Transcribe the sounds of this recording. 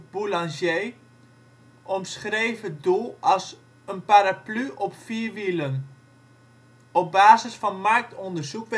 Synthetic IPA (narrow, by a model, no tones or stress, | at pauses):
bulɑ̃nsjej | ʔɔmsχrejvədulˠɑlˠs | ənpaɾaplyʔɔpfiːɹʋilən | ɔb̚baːzəsfɑnmark̚tɔndəɹzukʋ